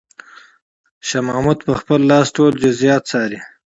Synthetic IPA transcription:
ʃamɑːmud̪pəxpəlːɑːsʈoːld͡ʒʊzijɑːt̪sɑːɾi

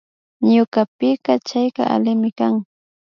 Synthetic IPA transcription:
ɲʊkapɪqɑt͡ʃajqɑ̰ʔa̰lɪmɪkaŋ

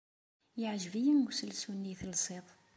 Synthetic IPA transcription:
jəʕʒəvijənɡsəlsunːiθlsˤit̪ˤ

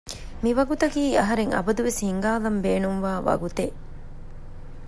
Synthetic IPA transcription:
miʋɐɡut̪ɐkiːɐɦɐɾeŋɐ̰bɐd̪uʋeshiŋɡaːlɐmbeːnumʋaːʋɐ̰ɡut̪e

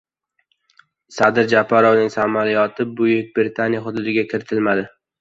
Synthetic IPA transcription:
sad̪ɪɾd͡ʒapʰːaɾɒvnɪŋsamalɪjɒt̪ʰɪbʊjʊk̚ʲbɾɪt̪ʰanijaχʊd̪ʊd̪ɪɡʲakʲʰɪɾɪt̪ʰɪlmad̪ɪ

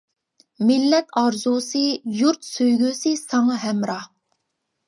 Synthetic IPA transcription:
mɪlːɛt̪ɑɾzusɨjuɾt̪søjɡʲysɨsɑŋɑɦɛmɾɑ

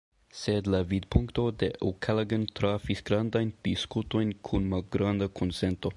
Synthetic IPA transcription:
sed̪lavid̪̚puŋkt̪od̪eʔukʰalaɡənt̪ɾafisɡ̥ɾand̪ajnd̪̥iskut̪o̞jnkʰunmalɡɾand̪akʰonsent̪o̞

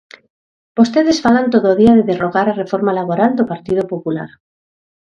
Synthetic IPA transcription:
b̥ost̪e̞ðe̞sfalant̪oðooðiaðeðeroɣaɾare̞foɾmalaβo̞ɾald̪opaɾt̪ið̞opopula̰ɾ

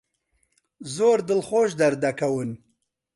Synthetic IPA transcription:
zoːɾd̪əlχoːʃ̬d̪ɐɾd̪ɐkɐwɨn

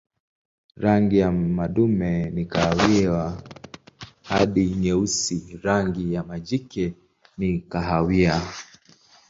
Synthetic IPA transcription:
ɾaŋɡijamaɗumɛnikahawia | haɗiɲɛusiɾaŋɡijamad͡ʒikɛ | nikaɦawia

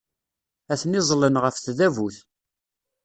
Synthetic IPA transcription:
æθnɪzˤlənʁəfθðævuθ

